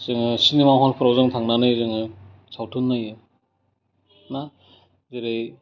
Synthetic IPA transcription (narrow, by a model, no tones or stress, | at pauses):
z̥ɯŋɯsinemaɦɔnpʰɯɾawzɯŋtʰaŋnanɯjzɯŋɯ | sawtʰɯnːɯjɯ | na | zeɾej